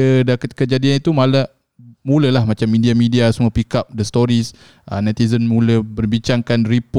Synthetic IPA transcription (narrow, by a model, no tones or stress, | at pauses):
ədakət̪̚kəd͡ʒadianit̪umala | mũləlahmat͡ʃamːidiamidiasumuəpikap̚dəst̪oɾis | ənɛt̪izənmũləbərbiɲt͡ʃaŋkanripo